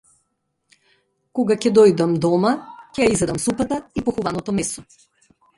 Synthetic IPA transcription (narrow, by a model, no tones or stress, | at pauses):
kɔɡacɛd̪ɔjd̪amd̪ɔmacɛjaizɛd̪amsupat̪aipɔxuvanɔt̪ɔmɛsɔ